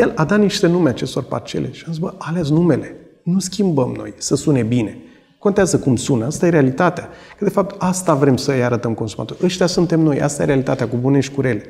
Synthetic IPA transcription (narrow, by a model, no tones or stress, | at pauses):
je̞lad̪at̪niʃt̪e̞numeat͡ʃe̞st̪o̞rpa̰rt͡ʃeleʃianzisbəʔalesnume̞le̞ | nuskʲimbəmno̞̰jsəsune̞bine̞ | ko̞nt̪eazəkumsunast̪aje̞ɾealit̪at̪eakəd̪e̞fap̚t̪ast̪avɾe̞msəjaɾət̪əmko̞nsuma̰t̪o̞ɾʲəʃt̪ejasunt̪e̞mno̞jʔa̰st̪ajeɾe̞alit̪at̪eakubuneʃkuɾe̞le